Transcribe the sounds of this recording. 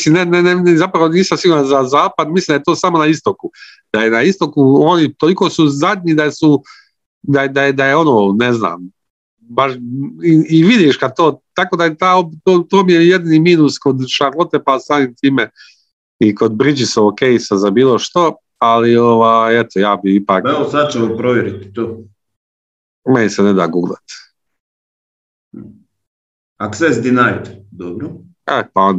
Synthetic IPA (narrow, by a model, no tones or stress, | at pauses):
slimnenɛnenɛzapɾaʋoniːsamsiɡuːɾanzazaːpad̪mislimd̪ajet̪oːsaːmo̞naist̪o̞ku | d̪̥aje̞naist̪o̞kuonit̪oliko̞ːsuzad̪ʲɲid̪asu | d̪ajd̪ajed̪ajeo̞no̞ːnezna̰ːm | baʃiːʋid̪iʃkad̪̚t̪oːt̪akod̪ajet̪aːot̪oːt̪oːmijejed̪iniːmiːnusko̞d̪ʃaɾlˠo̞t̪epasaːmimt̪iːme | iko̞d̪̚bɾid͡ʒisookejsazabiːlˠo̞ʃt̪o̞ | alio̞ʋajet̪ojaːbiipaːkaeosad̪̚t͡ʃeopɾoʋjeɾit̪i̥t̪oː | menisened̪a̰ːɡuɡlˠa̰t̪ | aksesd̪inajt̪d̪obɾo | epaon